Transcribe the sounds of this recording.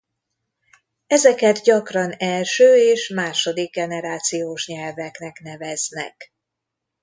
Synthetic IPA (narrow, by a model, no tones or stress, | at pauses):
ɛzɛkɛd̪ɟɒkrɒnɛlʃøːeːʃmaːʃo̞d̪iɡ̚ːɛnɛɾaːt̪sijoːʃɲɛlvɛknɛknɛvɛznɛ̰k